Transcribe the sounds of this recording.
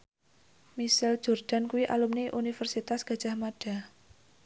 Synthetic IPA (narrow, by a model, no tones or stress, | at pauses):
misɪld͡ʒ̥ord̥a̤nkuwiʔa̰lumniʔunifərsit̪asɡ̥ä̤d̥ʒ̥a̤hmaɖ̥a̤